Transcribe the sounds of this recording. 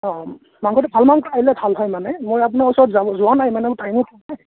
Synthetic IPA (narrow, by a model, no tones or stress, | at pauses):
ɔ̃ | maŋkʰɔtɛbʱalmaŋkɔɹaːilɛbʱalɦɔjmanɛmojap̬unaɔsɔɹtzabɔzuanajmanɛmʊtajmikʰɔa